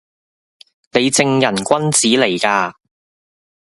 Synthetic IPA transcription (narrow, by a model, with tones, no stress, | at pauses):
ne˨˧jt͡sɪ˧ŋjɐ˨˩nkʷɐ˥nt͡siː˨˥le˨˩jkaː˧